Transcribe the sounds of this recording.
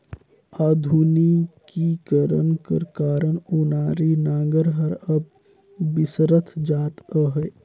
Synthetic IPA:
aːd̪ʱunikikəɾənkə̰ɾkaːɾənʊnaːɾinãːŋɡəɾɦəɾəb | bɪsɾət̪ʰd͡ʒaːt̪əɦə

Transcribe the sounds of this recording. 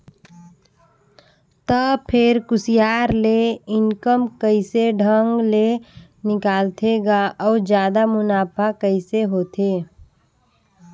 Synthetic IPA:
t̪əpʰɪɾkʊsijaːɾleɪŋkəmkəɪseɖʱəŋɡle | nɪkaːlt̪ʰeɡaɔːɾd͡ʒjaːd̪amʊnaːpʰakəɪseɦoːt̪ʰeː

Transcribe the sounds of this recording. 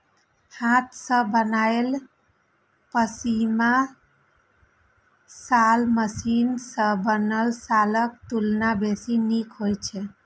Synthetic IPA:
hãt̪ʰsə̃bənael | pəsima | salməsinsə̃bənəlsalək̚t̪ulnabesinikɦojt͡ʃʰɛ

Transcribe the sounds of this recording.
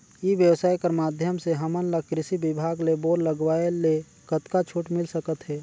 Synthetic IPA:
iʋjəwsaːjkəɾmaːd̪ʱjəmseɦəmənləkɾɪsibɪbʱaːɡleboːɾləɡwaːele | kət̪kat͡ʃʰuːʈmɪlsəkət̪ɦɛː

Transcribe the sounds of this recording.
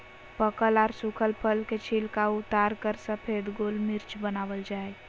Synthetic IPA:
pəkəlaːɾsʊkʰəlpʰəlket͡ʃʰilkaʊt̪aːɾkəɾsəpʰeːd̪ɡoːlmɪɾt͡ʃbənaːʋəld͡ʒaːe

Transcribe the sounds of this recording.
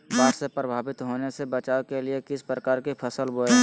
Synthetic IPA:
baːʈsepɾəbʱaːbɪt̪ɦoːnesebət͡ʃaːokeliekɪspɾəkaːɾkipʰəsəlboːe

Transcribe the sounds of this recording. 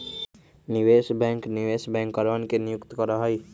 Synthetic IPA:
nɪʋeːsbɛ̃ːŋknɪʋeːsbɛ̃ŋkːəɾʋənkenɪjʊkt̪kəɾaɦai

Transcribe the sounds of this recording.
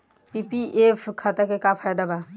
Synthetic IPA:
pipiʔefʰkʰat̪akekapʰaːjd̪aba

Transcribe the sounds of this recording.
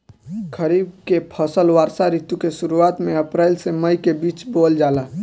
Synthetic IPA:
kʰəɾibkepʰəsəlʋaːɾsaɾit̪jukesuɾuat̪mẽəpɾaɪlseməjkebiːt͡ʃbold͡ʒala

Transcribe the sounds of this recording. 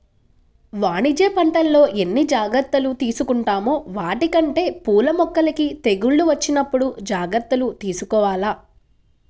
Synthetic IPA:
ʋaːɳid͡ʒeːpɐɳʈɐlːo̞ːʔe̞nːid͡ʒaːɡɾɐɾt̪ːɐlut̪iːsukuɳʈaːmoːʋaːʈikɐɳʈe̞ːpuːlɐmɔkːɐlikit̪e̞ɡuɭːuʋɐt͡ʃːinɐpːuɽud͡ʒaːɡɾɐɾt̪ːɐlut̪iːsukɔːʋaːlaː

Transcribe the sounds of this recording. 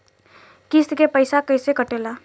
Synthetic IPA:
kist̪kepəɪsakəɪsekəʈela

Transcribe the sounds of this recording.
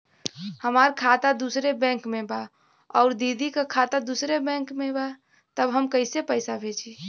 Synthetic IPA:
həmaɾkʰat̪ad̪usɾebɛ̃ŋkmeba | ɔʊɾd̪id̪ʱikekʰat̪ad̪usɾebɛ̃ŋkmeba | t̪əbɦəmkəɪsepəɪsabʱet͡ʃʰi

